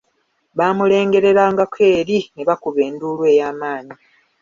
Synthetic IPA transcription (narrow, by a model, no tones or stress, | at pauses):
βaːmule̞ːŋɡe̞ɾe̞ɾaːŋɡakʰe̞ːɾineβakuβe̞ːnduːlwe̞ːjaːmaːɲi